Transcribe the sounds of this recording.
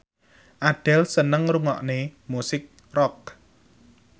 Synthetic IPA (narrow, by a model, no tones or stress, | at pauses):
ʔaɖ̥ɛ̤lsənəŋɾuŋɔ̰ʔnemusɪk̚ | rɔk̚